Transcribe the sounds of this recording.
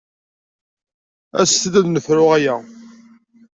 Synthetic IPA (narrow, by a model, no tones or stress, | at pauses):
æ̰sθðæðnəfɾʊʁæjæ